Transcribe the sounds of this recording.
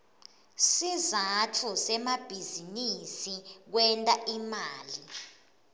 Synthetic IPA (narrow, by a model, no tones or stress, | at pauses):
sizatʰusɛmab̥ʱizinisik̬wɛntʼaʔimaːli